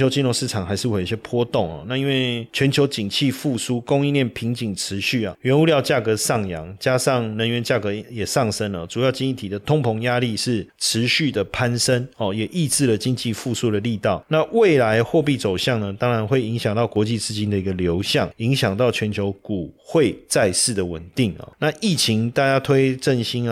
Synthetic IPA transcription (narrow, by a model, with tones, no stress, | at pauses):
o˧ʊt͡ɕi˥˧nɻo˥˧ŋʂɻ̩˥˩ʈ͡ʂʰɑ˨˩ŋxa˧˥ɪʂɻ̩˥˩we˧˩˨o˨˧˩ɕjɛ˥pʰwɔ˦t̪ʊ˥˨ŋɔ̰˨˩na˥˧i˦˥nwe˥˩ɪt͡ɕʰɥɛ˧˥nt͡ɕʰjo˧˥ʊt͡ɕi˨˩ŋt͡ɕʰi˥˧fu˥˧su˥kʊ˥ŋi˥˧nljɛ˥˩npʰi˧˥ŋt͡ɕi˨˩ŋʈ͡ʂʰɻ̩˧˦ɕy˥˩ɐ̰˩ɥɛ˧˥nu˧˥ljɑ˥˧ʊt͡ɕja˥˩kɤ˧˥sɑ˥˩ŋjɑ˧˥ŋt͡ɕja˥ʂɑ˥˩ŋnə˧˦nɥɛ˧˦nt͡ɕja˥˩kɤ˧˦jɛ˨˩ʂɑ˥˩ŋʂə˥nə˨ʈ͡ʂu˨˩jɑ˥˩ʊt͡ɕi˥ni˥˩t̪ʰi˨˩d̪ə˦t̪ʰʊ˥ŋpʰʊ˧˥ŋja˦li˥˧ʂɻ̩˥˩ʈ͡ʂʰɻ̩˧˦ɕy˥˩d̪ə˩pʰa˥nsə˦nɔ˨˩jɛ˨˩ʔi˥˧t͡sɹ̩˥˩lə˨t͡ɕi˥ŋt͡ɕi˥˧fu˥˧su˥˩d̪ə˩li˥˧t̪ɑ˥˩ʊna˥˧we˥˨ɪla˧˦ɪxwɔ˥˧p̬i˥˩t͡so˨˩ʊɕjɑ˥˩ŋnə˨t̪ɑ˥ŋɻa˧˦nxwe˥˩ɪi˧˥ŋɕjɑ˨˩ŋt̪ɑ˥˩ʊkwɔ˧˥t͡ɕi˥˧t͡sɹ̩˥t͡ɕi˥nd̪ə˨i˧˥ɡə˨ljo˧˥ʊɕjɑ˥˩ŋi˧˥ŋɕjɑ˨˩ŋt̪ɑ˥˩ʊt͡ɕʰɥɛ˨˦nt͡ɕʰjo˧˥ʊku˨˩xwe˥˩ɪt͡sa˥˧ɪʂɹ̩˥˩d̪ə˩wə̰˨˩nt̪i˥˩ŋɐ̰˨˩na˥˨ʔi˥˩t͡ɕʰi˧˥ŋt̪a˥˩t͡ɕja˥t̪ʰwe˥ɪʈ͡ʂə˥˨nɕi˥n˨